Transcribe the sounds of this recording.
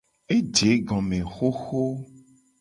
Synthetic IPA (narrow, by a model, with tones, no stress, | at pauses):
e˦d͡ʒe˨˦ɡɔ̃˨mẽ˨xo˦xo˦